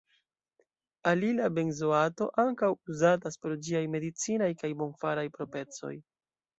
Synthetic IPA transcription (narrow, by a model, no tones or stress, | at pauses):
alilabe̞nzoato̞ʔaŋkawuzataspeɾd͡ʒiajme̞dit͡sinajkajbo̞nfaɾajpɾo̞pe̞t͡so̞̰j